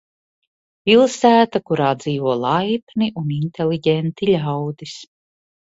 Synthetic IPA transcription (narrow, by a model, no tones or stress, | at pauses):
pʲilˠsæːt̪akuɾaːd̪z̥iːvuɔlˠajpniʔunint̪eliɟʲent̪ilʲawd̪is